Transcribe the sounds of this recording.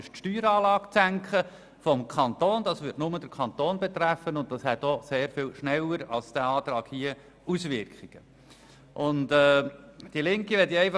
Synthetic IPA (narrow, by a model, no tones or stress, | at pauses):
ʃtʃtyːɾɑːlɑːkt͡sæŋkχə | fɔmkʰɑnt̪oːnd̥ɑsʋɪtnʊməd̥əɾkʰɑnt̪oːnbɛt̪ræfənʊn̚d̥ɑshɛt̪ɔseːɾfɪːlʃnɛlːəɾɑlsd̥æɑːtɾɑːkhiːə | usʋɪɾkʰiɡ̥ə | ʔʊntɛːd̥iəlɪŋkiʋɛtjɛɪfɑ